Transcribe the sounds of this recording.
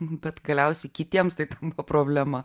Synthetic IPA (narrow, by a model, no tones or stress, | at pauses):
bʲɛt̪ɡɐlʲɛʊsʲɛɪkʲɪt̪ʲiɛmst̪ɐɪt̪ɐnbɐʋɐpɾoːbʲlʲæmɐ